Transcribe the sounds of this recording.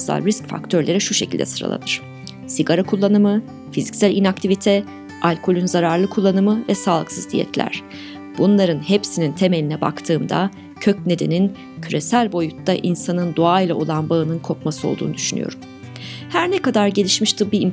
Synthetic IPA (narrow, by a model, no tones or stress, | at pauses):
sa̰lʲɾiscfa̰kt̪ʰøɾlʲe̞ɾɛʃuʃecʰilʲd̪ɛ̰sɯɾa̰lˠa̰nɯɾ̥ | siɡaɾakʰulˠːanɯmɯ | fizicsælʲinak̚t̪ʰivit̪ʰɛ | alʲkʰo̞lʲynzaɾaɾlˠɯkʰulˠːanɯmɯvɛsaːlˠɯksɯzd̪ʰḭjɛ̰t̪lʲæ̰ɾ̝̥ | b̥unlˠaɾɯnhepsinint̪ʰe̞me̞lʲinɛba̰kt̪ʰɯːmd̪a̰ | cʰøcne̞d̪e̞nin | cʰyɾe̞sælʲbo̞jut̪ːaʔinsanɯnd̪oajlˠaolˠanbaɯnɯnkʰo̞pmasɯo̞lˠd̪ṵːnud̪yʃyny̰jo̞̰ɾum | hæɾnɛkad̪aɾɟe̞lʲiʃmiʃt̪ʰɯbiim